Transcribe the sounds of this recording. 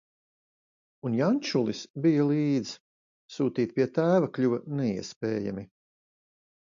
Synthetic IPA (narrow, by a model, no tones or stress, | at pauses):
unjanʲt͡ʃulˠisbijalˠiːd̪z | suːt̪iːt̪̚pʲiɛt̪æːvaklʲuʋnɛḭɛspɛːja̰mi